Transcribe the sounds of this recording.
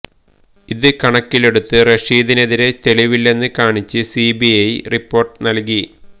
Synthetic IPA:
iðɨkɐɳɐkːile̞ɽut̪ːɨreʂiːðineðiɾe̞t̪e̞liʋilːe̞nːɨkaːɳit͡ɕːɨsibijɐjripːo̞ːrʈɨnɐlk̬i

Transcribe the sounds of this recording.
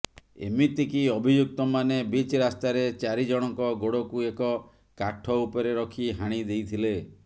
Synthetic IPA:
ḛmit̪ikiɔbʱid͡ʒuk̚t̪ɔmanebit͡ʃɾast̪aɾet͡ʃaɾid͡ʒɔɽ̃ɔŋkɔɡoɽɔkuekɔ | kaʈʰɔupɔɾeɾɔkʰiɦaɽ̃id̪ejt̪ʰile

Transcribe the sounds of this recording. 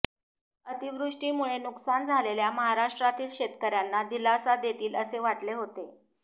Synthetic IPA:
ət̪iʋɾuʂʈiːmuɭenuksand͡zʱaleljaməɦaɾaʂʈɾat̪iːlɕet̪kəɾjanːad̪ilasad̪et̪iːləseʋaʈleɦot̪e

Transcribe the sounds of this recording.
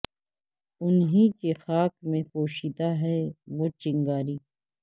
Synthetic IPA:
ʊnɦĩkexaːkmẽkoːʃid̪aɦɛʋoːt͡ʃɪ̃ŋɡaːɾiː

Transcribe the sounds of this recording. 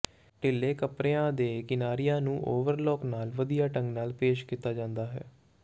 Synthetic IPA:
ʈɪlːeːkəpɾeːãːd̪eːkɪnaːɾijãːnũːʔoːʋəɾlɔːknaːlʋəd̪ijaːʈə̃ŋɡnaːlpeːʃkiːt̪aːd͡ʒãːnd̪aːɦɛ̰ː

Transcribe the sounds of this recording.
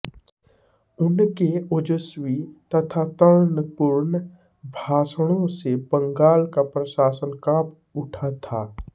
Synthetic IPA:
ʊnkeʊd͡ʒəswit̪ɐt̪ʰat̪əɾnəpʊɾn | bʱaːsɽ̃õsebə̃ŋɡaːlkapɾəʃaːsənkãːp | ʊʈʰat̪ʰaː

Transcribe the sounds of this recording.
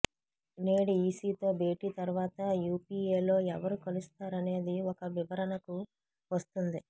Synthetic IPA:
neːɽiiːsiːt̪o̞ːbe̞ːʈiːt̪ɐɾuʋaːt̪ɐjuːpiːeːlo̞ːɛʋɐɾukɐlust̪aːɾɐne̞ːd̪iɔkɐʋiʋɐɾɐnɐku | ʋɐst̪und̪i

